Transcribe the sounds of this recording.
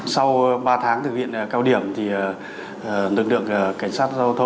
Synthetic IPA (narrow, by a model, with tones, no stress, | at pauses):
sa˧wɓaː˧t̪ʰaː˨˦ŋt̪ʰɨ˨˩k̚hḭ˧˨ənː˨˩kaː˧wɗi˧˩əmt̪ʰi˨˩˨ | nɨ˨˩klɨ̰˧˨əŋə˨˩ka˧˩jŋsaː˦˥t̚zə˧wt̪ʰə˧